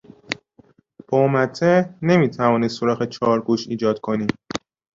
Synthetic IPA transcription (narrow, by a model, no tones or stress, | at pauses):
b̥omæt̪ʰːene̞miːt̪ʰævɒːniːd̪soɾɒːɣet͡ʃʰɒːɾɡuːʃḭːd͡ʒɒːd̪kʰo̞niːm